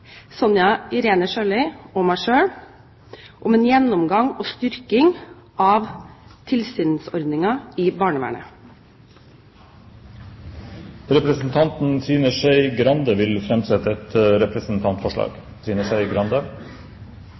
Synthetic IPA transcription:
sɔnjɑɪɾeːnəʃøːlɪɔmæʂøːɽ | ʔɔmeːnjɛnːʊmɡɑŋoːst̪ʏɾkɪŋ | ʔɑːʋt̪ʰɪlsyːnsɔ̰ɾd̪nɪŋɑiːbɑːɳəʋæ̰ːɳə̰ | ɾɛpɾəsn̩t̪ʰɑnt̪n̩siːnəʃeɪɡɾɑnd̪əʋɪlfɾɛmsɛt̪əɛt̪ɾɛpʰɾəsn̩t̪ʰɑnt̪fɔʂɭɑ̰ːɡ̥ | siːnəʂæɪɡɾɑnd̪ə

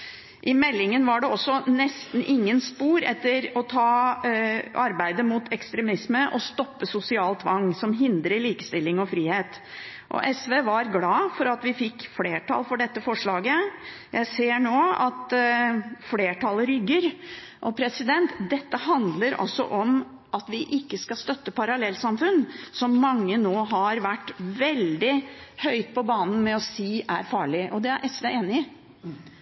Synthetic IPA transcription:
ʔɪmɛlːɪŋənʋɑɖɛɔsːɔnɛst̪n̩ʔɪŋːənspuːɾɛt̪ːəɾɔt̪ʰɑː | ʔɑɾbæɪd̪əmut̪ʰɛkst̪ɾɛmɪsməʔɔst̪ɔpːəsʊsɪɑːlt̪ʋɑŋːsɔmɦɪnd̪ɾəɭiːkə̥st̪ɪlːɪŋɔfɾiːheːt̪ | ʔɔ̰ʔɛsʋeːʋɑɾɡlɑːfɔɾɑt̪ʋɪfɪkːfleːʈʰɑ̰lfɔɖɛt̪ːəfɔʂɭɑːɡə | jæɪseːɳoːɑ̰t̪ | fleːʈʰɑlɾʏɡːəɾ | ʔɔpʰɾɛsɪd̪ɛnt̪d̪ɛt̪ːəhɑnd̪ləɾɔ̰sːɔ̰ʔɔm | ʔɑt̪ʋɪʔɪkːəskɑst̪œt̪ːəpʰɑɾɑlɛlːsɑmfʉnsɔmːɑŋːənoːɦɑɾʋæʈːʋɛld̪ɪhœʏt̪̚pʰɔbɑːnn̩mɛɔsiːʔæɾfɑːɭɪʔɔd̪ɛæɾʔɛsʋeːeːnɪ

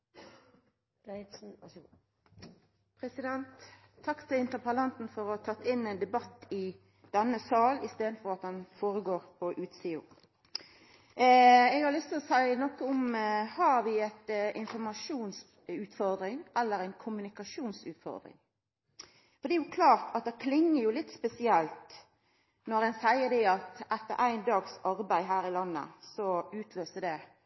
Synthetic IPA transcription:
pɾɛsɪd̪ɛnt̪ʰː | ɑkːt̪ʰɪlɪnt̪əpʰɑlɑnt̪n̩fɔɾɔhɑt̪ʰɑt̪ːɪnːɛɪnd̪ɛbɑt̪ːɪ | d̪̥ɛnːəsɑːlɪst̪eːd̪n̩fɔɾɑt̪̚d̪ɛnfoːɾəɡoːʁpʰɔʔʉːt̪siːʊ̰ | ɛːɡhɑɾlʏst̪ɪɔsæɪnɔkːəʊmhɑɾʋɪɛt̪ʔɪnfɔɾmɑʂuːns | ʉːt̪fɔɾd̪ɾɪŋʔɛlːəɾæɪnkʰʊmʉnɪkɑʃuːnsʉ̰ːt̪fɔ̰ɾd̪ɾɪ̰ŋ | fɔɾd̪ɛːjʊkʰlɑːʁt̪ʰɑt̪̚d̪ɛkʰlɪŋːəɾjʊlɪt̪ːspɛsɪɛlt̪ | nɔɾɛnsæɪəd̪ɛɑt̪ʔɛt̪ːə̰ɾʔæɪnd̪ɑːɡsɑɾbæɪɦæːɾɪlɑnːə̰sɔʉːt̪ʰløːsəd̪ɛ

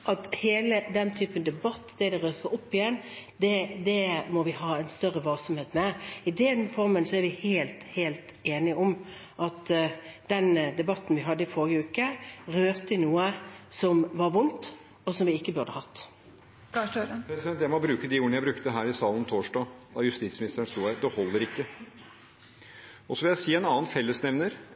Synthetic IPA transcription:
ʔɑt̪heːləd̪ɛnt̪ʰyːpənd̪ɛbɑt̪ːd̪ɛd̪ɛʁøːkəʔɔpːɪjɛnːd̪ɛd̪ɛmɔʋɪɦɑːɛɪnst̪œʁːəʋɑlsəmheːt̪mɛɪd̪ɛnfɔɾmənsɔæɾʋɪheːlt̪heːlt̪eːnɪɔmʔɑt̪d̪̥ɛnd̪ɛbɑt̪ːn̩ʋɪɦɑd̪ːəɪfɔɾəʉːkəʁøːʁt̪ənuːəsɔmʋɑɾʋʊnt̪ | ɔsɔmʋɪɪkːəbʉʁd̪əhɑt̪ː | pʰɾɛsɪd̪ɛnt̪jæɪmɔbɾʉːkəd̪iuːɳəjæɪbɾʉkt̪əɦæːɾɪsɑːlən̩t̪ʰoːʂdɑd̪ɑjʉst̪ɪt̪smɪnɪst̪əɾəɳst̪uːæɪd̪ɛhɔlːəɾɪkːə | ɔsɔʋɪljæɪsiːɛnɑːnfɛlːəsnɛʋnəɾ

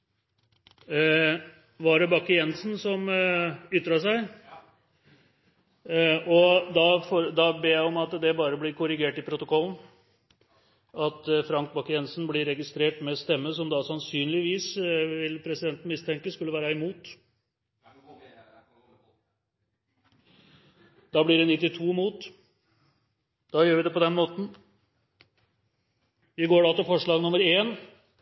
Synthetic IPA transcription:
ʋɑɖɛbɑkːəjɛnsnsɔm | ʏt̪ːɾɑʂæɪ | ɔd̪ɑfoɾd̪ɑbeːjæɪɔmɑt̪d̪ɛbɑːɾəblɪɾkʰʊɾɪɡeːʈɪpʰɾʊt̪ʊkʰɔlːn̩ | ɑt̪fɾɑŋk̚bɑkːəjɛnsn̩blɪɾɛɡɪst̪ɾeːʈmɛst̪ɛmːəsɔmd̪ɑsɑnsyːnlɪʋiːsʋɪlːpʰɾɛsɪd̪ɛnt̪n̩mɪst̪ʰɛŋkəskʉlːəʋæːɾəɛmuːt̪ | d̪ɑːblɪɖɛnɪt̪ːɪt̪ʰuːmuːt̪ | d̪̥ɑːjøːɾʋɪd̪ɛpɔd̪ɛnmoːt̪n̩ | ɪɡoːɖɑt̪ɛfɔʂɭɑːɡnʊməɾeːn

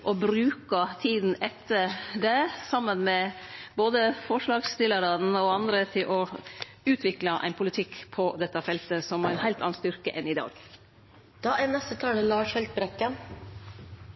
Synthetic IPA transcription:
ʔɔbɾʉːkɑt̪ʰiːd̪n̩ɛt̪ʰːəɾɖɛsɑmːənmɛboːd̪əfɔʂɭɑːɡst̪ɪlːəɾɑnɔɑnd̪ɾət̪ʰɪlʔɔ | ʉːt̪ʰʋɪklɑʔæ̰ɪnpʰʊlɪt̪ʰɪkpʰɔd̪ɛt̪ːɑfɛlt̪əsɔmæɾæɪnhæɪlt̪ɑ̰nɑnst̪ʏɾkə̰ʔɛnɪd̪ɑ̰ːɡ | d̪̥ɑːʔɛnɛst̪ət̪ʰɑːləlɑːʂhɛlt̪̚bɾɛkːən

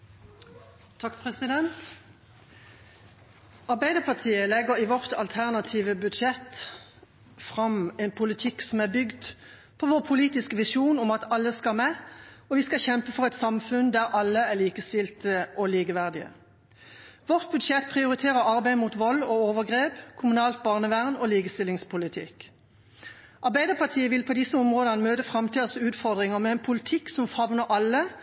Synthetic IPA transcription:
t̪ʰɑkpʰʁɛsɪd̪ɛnt̪ | ɑʁbæɪd̪əʁpʰɑt̪ʰiːəlɛɡəʁiːʋɔʁt̪ʰɑ̰lt̪ʰæʁnɑt̪ʰiːʋəbʉd̪ʃɛt̪ | fʁɑmɛnpʰʊlɪt̪ʰɪksɔmæbʏɡd̪ | pʰɔʋoːʁpʰʊliːt̪ɪskəʋɪʃuːnɔmɑt̪ɑlːəskɑlmɛɔʋiːskɑçɛmpəfɔʁɛt̪sɑmfʉnd̪æʁʔɑlːəæʁliːkəst̪ɪlt̪əʔɔliːkəʋæʁd̪ɪə̰ | ʋɔʁt̪̚bʉd̪ʃɛt̪̚pʰʁɪʊʁɪt̪ʰeːʁəʁɑʁbæɪmut̪ʋɔlːɔːoːʋəɡʁeːpkʰʊmʉnɑːlt̪̚bɑːʁnəʋæʁnoːliːkəst̪ɪlːɪŋspʰʊlɪt̪ʰɪ̰k | ʔɑʁbæɪd̪əʁpʰɑʁt̪ʰiːəʋɪlpʰɔd̪ɪsːəɔmʁoːd̪ənəmøːt̪əfʁɑmt̪ʰiːd̪əsʉːt̪fɔʁd̪ʁɪŋəmɛɛnpʰʊlɪt̪ʰɪksɔmfɑʋnəʁʔɑlːə

